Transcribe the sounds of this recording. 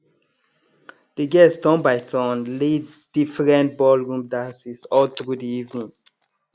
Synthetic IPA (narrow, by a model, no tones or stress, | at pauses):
d̥eɡɛsdɔ̃nbaɪtʰɔ̃nle | d̥ifɹɛ̃nt̚bɔlɹũmdãsisɔlt̪ɹudiivnĩŋ